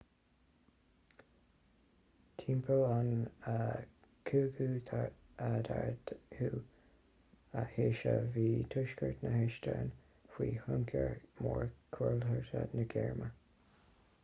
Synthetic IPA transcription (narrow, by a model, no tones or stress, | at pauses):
kʰiːmpʰəlanə | kʰuɡuːtʰ | adaɹdhuː | əheːʃəviːtʰʊʃkəɹt̪nəhɪʃtʰəːn | xwiːhʊŋkʰəɹmɔːɹkʰuɹlhəɹtə̰dnəɡɛɹmə